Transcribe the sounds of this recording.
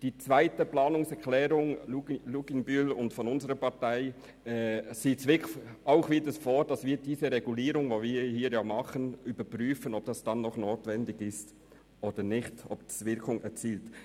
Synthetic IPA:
d̥iːt͡svaɪtəplɑːnʊŋsɛʁklɛːɾʊŋluluɡɪŋbylʊntfɔnʊnzəɾəpɑtaɪ | ɛːsiːsʋɪkaʊχʋiːdəsfoːd̥ɑsviːɾdiːsəɾɛɡuliːɾʊŋvoːviːhiːɾjɑːmɑχənybəpryːfənɔp̚d̥ɑsd̥ɑnːɔχnoːtvɛndɪɡɪst | ʔoːd̥ənɪχtɔpd̥i̥svɪɾkʰʊŋɛ̰t͡siːlt

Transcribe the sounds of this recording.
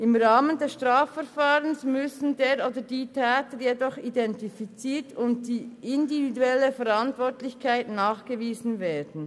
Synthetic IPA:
ɪmʁaːməndɛsʃtʁaːfɛʁfaːʁənsmʏsn̩deːɾoːdədiːtʰɛːtəjɛdɔχidɛntifit͡siːtʊnt̚d̥iːʔɪndividuɛləfɛʁantvɔtlɪçkʰaɪtnaːχɡ̥əviːzn̩veːdn̩

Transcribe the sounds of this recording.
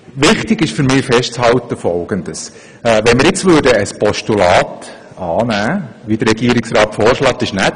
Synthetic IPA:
ʋɪχt̪ɪɡɪʃfʏɾmɪːfɛʃtt͡shɑlt̪əfɔlɡ̥ənd̪əs | ɛʋɛnmɪɾɪt͡sʋøːdəəspɔʃtulɑːt̪ | ɑːnæːʋid̥̪əɾːɛɡiəɾɪksɾɑːt̪fɔːɾʃlɑːt̪ɪʃnæ

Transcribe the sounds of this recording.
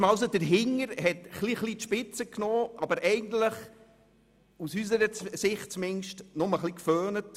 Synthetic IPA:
mɑws̬od̥əɾɦɪŋəɾhɛtχliχlitʃpɪt͡səknɔːʔɑbəɾʔɛɪɡən̩tləχ | usys̬əɾəsɪχt̚t͡smɪnʃtnʊməχlikføːnət

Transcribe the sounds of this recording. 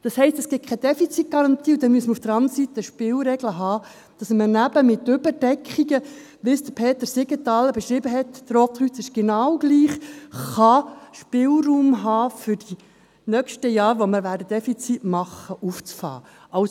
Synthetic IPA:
d̥ɑshɛɪstɛsɡ̥ɪt̚kʰɛd̥̪ɛfit͡sit̚ɡ̥ɑɾɑntiːʊd̥ɛnmyəsməɾufd̥əɾɑnd̪əɾsit̪əʃpɪːlɾɛɡləɦɑː | d̥ɑsmənæb̥əmɪt̪ːʏb̥əɾd̥ɛkʰχiɡə | ʋɪsd̪̥əpʰeːt̪əɾsɪɡət̪ɑlːəbɛʃɾɪbəɦɛtd̥əɾoːpt̪ʁyt͡sɪʃɡ̥enɑwɡ̥liːχχɑʃpɪlɾuːmɦɑːfʏɾd̥i | nœkʃtəjɑːɾʋoməɾʋæːɾdəd̥ɛfit͡sitmɑχəʔuft͡sfɑ̰ː | ʔɑʊs

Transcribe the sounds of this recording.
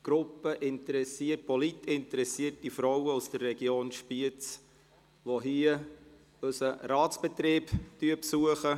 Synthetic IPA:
ɡ̥ɾʊpːəʔɪntəɾɛsiət̚pɔlitɪntəɾɛsiətifɾɔwəusd̥ərːɛɡ̥joːnʃpiət͡s | ʋoɦiə | ɵsəɾɑːt͡sb̥ɛt̪ɾeːptyəpsuəχə

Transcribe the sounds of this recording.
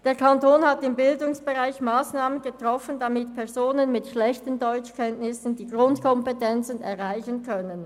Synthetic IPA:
d̥eːɐkʰantoːnhatɪmbɪldʊŋsb̥əʁaɪçmaːsnaːmənɡ̥ətʁ̥ɔfəndamɪtpʰɛɐzoːnənmɪtʃlɛçtəndɔʏt͡ʃkʰɛntnɪsən̩diːɡʁʊntkʰɔmpɛtʰɛnt͡sənɛɐʁaɪçənkʰœnən

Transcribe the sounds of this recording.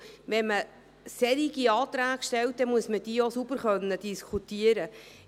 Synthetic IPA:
ʋɛnmə | sɛɾiɡiɑːt̪ɾæːɡʃtɛlt̚d̪ɛmuəsməd̥iːosub̥əɾχœnːəd̥iskʰut̪iəɾə

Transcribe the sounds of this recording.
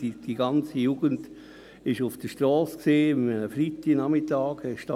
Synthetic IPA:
d̥iɡɑnt͡sijuːɡ̥ənd | ɪʃʊfd̥əʃtɾɔːsksiːmmənəfɾitːinamɪtɑːɡhɛʃtɑ

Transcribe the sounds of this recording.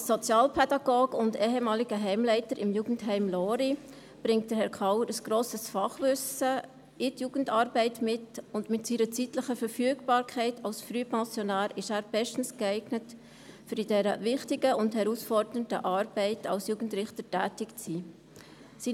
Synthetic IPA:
sɔt͡sjɑːlpʰɛdɑɡ̥oːɡʊndɛːɦɛmɑːliɡəɦɛɪmlɛɪtəɾɪmjuːɡ̥n̩tɦɛɪmloːɾi | b̥ɾɪŋtd̥əɾhɛɾkʰɑʊəɾəsɡ̥ɾoːsəsfɑχʋʏsə | ɪtjuːɡ̥ən̩tɑːɾbɛɪtmɪtʊndmɪtsiːɾət͡sitləχəfəɾfyəɡb̥ɑːɾkʰɛɪtʰɑlsfɾypɑ̃sjɔnæːɾɪʃæːɾbɛʃtn̩sɡ̥ɛɪɡnət | fyɾidɛɾəvɪχtɪɡəʊnthɛɾusfɔɾdəəntə̰ʔɑːɾb̥ɛɪtɑ̰lsjuːɡn̩tɾɪχtətæːtɪkt͡siː | siː

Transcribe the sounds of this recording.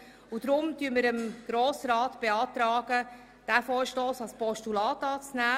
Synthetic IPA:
ud̥ɾʊmtyəɾməɾəmɡ̥ɾoːsɾɑːtb̥eɑːtɾɑːɡ̥ə | d̥æfoːɾʃtoːsɑlspɔʃtulɑːtɑːt͡snæː

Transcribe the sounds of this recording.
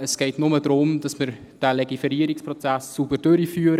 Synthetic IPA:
əsɡ̥ɛɪtnʊmədɾʊmd̥ɑsmɪɾ | d̥æːleɡifeɾiːəɾikspɾot͡sæsːub̥əɾd̥øɾifyːɾə

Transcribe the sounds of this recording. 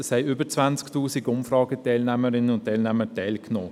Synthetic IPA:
ɛshɛɪʏbəɾt͡svant͡sktuːsiɡʊmfɾɑːɡətɛɪlnæməɾɪnənʊnttːɛɪlnæmətɛɪlknoː

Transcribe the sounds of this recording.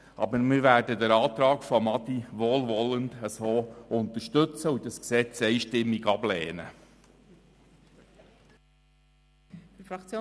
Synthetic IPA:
ɑ̰bəɾmɪʋæːrdəd̪əɾɑːt̪ɾɑːkfɔmɑt̪iʋoːlʋɔlənd̪əsoːʊnt̪əɾʃtɵt͡səudɑsksɛt͡sɛɪʃtɪmːiɡɑblɛːnə̰ | fɾɑt͡sː

